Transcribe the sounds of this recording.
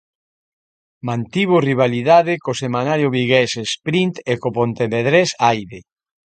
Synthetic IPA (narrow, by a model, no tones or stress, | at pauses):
mãnt̪iβ̞oriβ̞aliðaðɪkosemãnaɾjoβiɣɛsespɾint̪ekopont̪eβeðɾesajðe